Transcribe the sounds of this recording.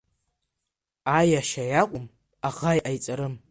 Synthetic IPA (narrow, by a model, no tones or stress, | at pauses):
ajaʃajakʷʼʊm | aʁajʔajt͡sʼaɾɨm